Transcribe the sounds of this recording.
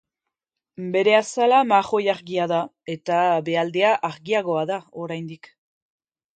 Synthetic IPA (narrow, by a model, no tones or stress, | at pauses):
be̞ɾe̞asalamaɣo̞jaɾɣiaða | e̞t̪abe̞ald̪e̞aʔaɾɣiaɣo̞aðao̞ɾajnd̪ik